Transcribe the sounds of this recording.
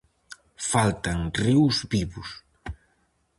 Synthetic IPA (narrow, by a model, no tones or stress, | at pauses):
falt̪aŋriwzβiβʊs